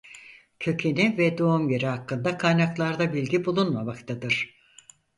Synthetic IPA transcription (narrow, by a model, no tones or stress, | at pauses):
cʰø̞cʰenivɛd̪o̞umje̞ɾihakːɯnd̪akʰajnaklˠaɾd̪abilʲɟibulˠunmamakt̪ʰad̪ɯɾ̥